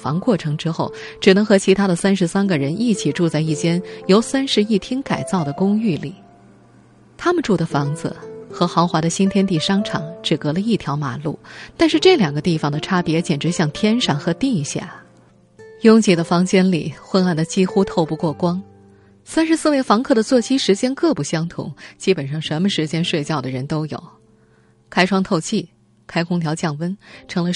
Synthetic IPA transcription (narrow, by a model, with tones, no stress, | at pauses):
fɑ˧˥ŋkwɔ˥˩ʈ͡ʂʰɤ˧˥ŋʈ͡ʂɻ̩˥xo˥˩ʊ | ʈ͡ʂɻ̩˨˩nɤ˧˥ŋxɤ˧˥t͡ɕʰi˧˥t̪ʰa˥d̪ə˨sa˥nʂɻ̩˧˥sa˥nɡə˨ɻə˧˥nʔi˥˩t͡ɕʰi˨˩ʈ͡ʂu˥˧t͡sa˥˧ɪi˥˩t͡ɕjɛ˥njo˧˥ʊsa˥nʂɻ̩˧˥i˥˩t̪ʰi˥ŋka˨˩ɪt͡sɑ˥˩ʊd̪ə˩kʊ˥ŋy˥˩li˨˩˦ | t̪ʰa˥mə˨nʈ͡ʂu˥˩d̪ə˩fɑ˧˥ŋd͡z̩̰˧xɤ˧˥xɑ˧˥ʊxwa˧˥d̪ə˧ɕi˥nt̪ʰjɛ˥nt̪i˥˩ʂɑ˥ŋʈ͡ʂʰɑ̰˨˥ŋʈ͡ʂɻ̩˨˩kɤ˧˥lə˧i˥˩t̪ʰjɑ˧˥ʊma̰˨˩lṵ˥˩t̪a˥˧nʂɻ̩˥˧ʈ͡ʂɤ˥˩ljɑ˨˩ŋɡə˦t̪i˥˩fɑ˨˩ŋd̪ə˩ʈ͡ʂʰa˥pjɛ˧˥t͡ɕjɛ˨˩nʈ͡ʂɻ̩˧˥ɕjɑ˥˩ŋt̪ʰjɛ˥nʂɑ˥˩ŋxɤ˧˥t̪i˥˧ɕja̰˥˩ | jʊ˥ŋt͡ɕi˧˥˩d̪ə˧fɑ˧˥ŋt͡ɕjɛ˥nlḭ˨˩xwə˥na˥˩nd̪ə˩t͡ɕi˥xu˥t̪ʰo˥˧ʊpu˥˧kwɔ˥˩kwɑ˥ŋ | sa˥nʂɻ̩˧˥sɹ̩˥˧we˥˩ɪfɑ˧˥ŋkʰɤ˥˩d̪ə˩t͡swɔ˥˩t͡ɕʰi˥ʂɻ̩˧˥t͡ɕjɛ˥nkɤ˥˧pu˥˩ɕjɑ˥ŋt̪ʰʊ̰˧˥ŋt͡ɕi˥pə˨˩nʂɑ˥˩ŋʂə˧˥nmə˧ʂɻ̩˧˥t͡ɕjɛ˥nʂwe˥˧ɪt͡ɕjɑ˥˩ʊd̪ə˩ɻə˧˥nt̪o˥ʊjo̰˨˩˦ʊ | kʰa˥ɪʈ͡ʂʰwɑ˥ŋt̪ʰo˥˧ʊt͡ɕʰi˥˩ | kʰa˥ɪkʰʊ˥ŋt̪ʰjɑ˧˥ʊt͡ɕjɑ˥˩ŋwə˥nʈ͡ʂʰɤ˧˥ŋlə˧